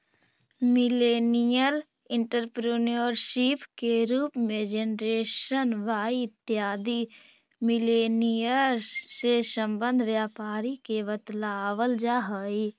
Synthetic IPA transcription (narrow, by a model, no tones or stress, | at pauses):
mɪleːnijəl | ɪ̃ɳʈəɾpɾunoɾʃɪpkeɾuːpmẽd͡ʒenɾeːʃənʋaːiɪt̪ːjaːd̪i | mɪleːnijəɾsesə̃mbə̃nd̪ʱʋjaːpaːɾikeʋət̪laːʋəld͡ʒaːɦəːi